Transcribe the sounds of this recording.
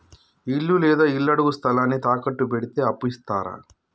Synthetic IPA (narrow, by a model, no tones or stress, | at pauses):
ilːulɛːd̪aːilːɐɽuɡust̪ʰɐlaːnːit̪aːkɐʈːubeɽit̪eɐpːist̪aːɾɐ̰